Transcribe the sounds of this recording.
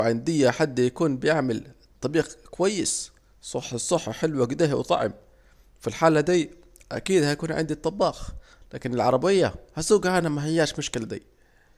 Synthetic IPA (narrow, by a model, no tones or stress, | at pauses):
ʕɪnd̪ɪjːaħad̪ːjakuːnbɪjɪʕmɪl | t̪ˤːɑbiːɣkʊwajːɪs | sˤɑħːsˤɑħːħɪlwaɡd̪aːhwt̪ˤɑ̰ʕɪ̰m | filħaːlad̪iː | ʔa̰kiːd̪hajkuːnʕɪ̰nd̪it̪ˤːɑbːɑːx | laːkɪnɪlʕɑɾˤɑbɪjːahasuːɡʔanamaɦɪjːaːʃmʊʃkɪlad̪ḭː